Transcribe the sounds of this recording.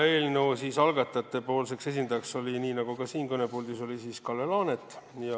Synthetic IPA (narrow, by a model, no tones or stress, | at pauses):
e̞ːlnowsiːsɑlɡɑt̪ːˑɑt̪ːˑe̞po̞ːlse̞kse̞s̬ind̪ɑjɑkso̞lʲiniːnɑɡ̥ukɑsiːnkɤne̞puld̪iso̞lisiskɑlːelɑːnet̪ːˑ | jɑ